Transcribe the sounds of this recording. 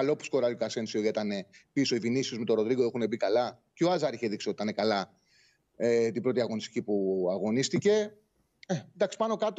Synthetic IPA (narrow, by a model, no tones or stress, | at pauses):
alo̞pu̥sko̞ɾɐlikase̞nsioɐit̪ɐne̞piso̞ivinisiuzme̞t̪o̞ɾo̞ðɾiɡoexune̞bikɐlɐceoɐzɐɾiçe̞ðiksiot̪it̪ɐne̞kɐlɐ | et̪ibɾo̞t̪iɐɣo̞nist̪i̥cipuɐɣo̞nist̪ice̞ | end̪ɐksi̥pɐno̞kɐt̪o